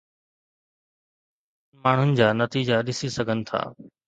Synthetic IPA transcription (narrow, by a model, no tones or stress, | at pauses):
nmaːɳ̤ʊnɪ̆d͡ʑaːnɐt̪iːd͡ʑaɗɪsisɐɡʱənɪ̆t̪ʰa̰ː